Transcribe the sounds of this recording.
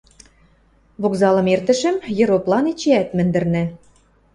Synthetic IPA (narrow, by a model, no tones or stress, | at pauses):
βokzɑlɤ̆mert̪ə̆ʃə̆mjɤ̆ɾoplˠɑnit͡ɕeæt̪mɘ̆nd̪ɘ̆rnɘ̆